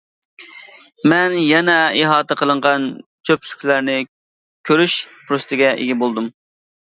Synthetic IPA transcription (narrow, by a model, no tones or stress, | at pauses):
mɛnjɛnɛeɦɑːt̪ʰɛqʰəlˠəɴʁɑnt͡ʃʰøplykʲlæɾnɪ | kʲʰøɾyʃpʰɾust̪ɪɡʲɛʔḛɡʲibolˠd̪um